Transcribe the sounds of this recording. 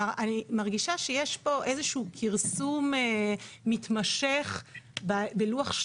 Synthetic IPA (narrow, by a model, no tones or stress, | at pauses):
animaʁɡiʃaʃejeʃpo̞ʔezeʃuːkʰiʁsumeːitmaʃeχbabeluaχʃ